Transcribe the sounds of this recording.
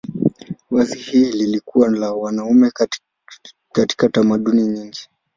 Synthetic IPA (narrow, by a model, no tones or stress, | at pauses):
wazihiːlilikuwalawanaumɛ | kati̥katamaɗuniɲiŋɡi